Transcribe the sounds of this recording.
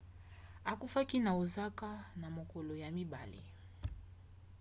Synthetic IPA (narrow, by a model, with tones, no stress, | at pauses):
a˨ku˦fa˦ki˦na˨u˨za˦ka˦na˨mɔ˨kɔ˨lɔ˨ja˨mi˦ɓa̰˨lḭ˨